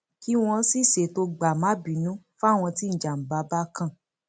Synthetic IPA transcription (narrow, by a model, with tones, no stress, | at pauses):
ki˦w̃ɔ̃˧˦si˦˨se˨to˧ɡ͡ba˨mã˨˦bi˨˦nũ˦ | fa˦˨w̃ɔ̃˧ti˦n̩˨d͡ʒa˨m̩˨ba˨˦ba˦kã˦˨